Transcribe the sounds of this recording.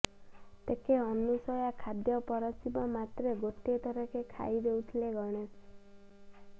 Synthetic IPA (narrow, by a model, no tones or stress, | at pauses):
t̪ekeɔnusɔjakʰad̪jɔpɔɾɔsibɔmat̪ɾeɡoʈiet̪ɔɾɔkekʰa̰id̪eut̪ʰileɡɔɽ̃es